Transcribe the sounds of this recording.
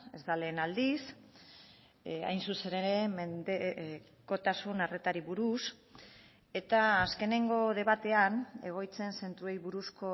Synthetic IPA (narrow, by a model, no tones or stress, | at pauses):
e̞zd̪ale̞ːnald̪is | a̰jnsuse̞neɾe̞mend̪e | ko̞t̪asunare̞t̪aɾiβuɾus | e̞t̪aːske̞ne̞ŋɡo̞ðe̞βat̪e̞ane̞ɣ̞o̞jt͡se̞nse̞nt̪ɾue̞jβuɾusko̞